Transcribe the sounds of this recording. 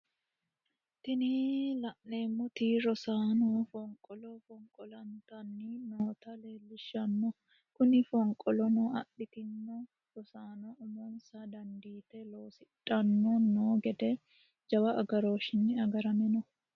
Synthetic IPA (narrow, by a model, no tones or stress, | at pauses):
t̪ɪniːlɐʔneːmːɔt̪iːɾɔsaːnoːfɔŋkʼɔlɔfɔŋkʼɔlɐnt̪ɐnːinoːt̪ɐleːlːɪʃːɐnːɔ | kʊnɪfɔŋkʼɔlɔnɔɐ̰ʔɪt̪ɪnːɔ | ɾɔsaːnɔʔɔmonsad̪ɐnd̪iːt̪ɛloːsɪᶑʼɐnːɔnoːɡɛd̪ɛ | d͡ʒɐwɐʔɐɡɐɾo̞ːʃɪnːɪɐɡɐɾɐmɛnɔ